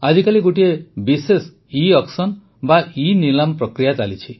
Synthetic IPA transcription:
ad͡ʒikaliɡoʈiebises | iɔksɔn | bainilampɾɔkɾijat͡ʃalit͡ʃʰi

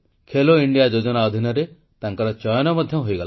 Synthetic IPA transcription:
kʰeloiɳɖijad͡ʒod͡ʒɔnaɔd̪ʱinɔɾe | t̪aŋkɔɾɔt͡ʃɔjɔnɔmɔd̪ʱjɔɦojɡɔla

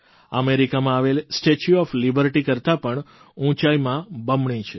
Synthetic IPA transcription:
əmeɾikamãaʋelsʈet͡ʃuɔflibəɾʈikəɾt̪apəɳ | ũt͡ʃaimãbəmɳĩt͡ʃʰe

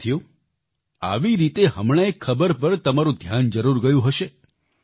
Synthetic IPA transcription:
t̪ʰijo | a̰ʋiɾit̪eɦəmɳ̃aekʰːəbəɾpəɾt̪əmaɾũd̪ʱjand͡ʒəɾuɾɡəjũɦəʃe

